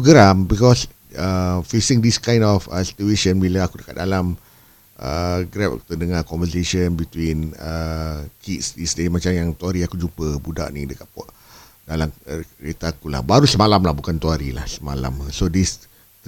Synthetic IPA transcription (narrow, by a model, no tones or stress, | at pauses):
puɡəɾambikɔs | əfisĩŋdiskãj̃ndɔfəsi̥t̪ueʃənbilaakudəkat̪̚dalam | ʔəɡɾɛp̚ku̥t̪ənəŋakɔ̃mvəseʃənbit̪winəkʰitsdisdemat͡ʃamjaŋt̪uaɾiakud͡ʒupəbuda̰ʔnidəkat̪̚pɔʔ | dalamɾet̪aːkula̰hbaɾusəmalamlahbukant̪uaɾila̰hsəmala̰msodis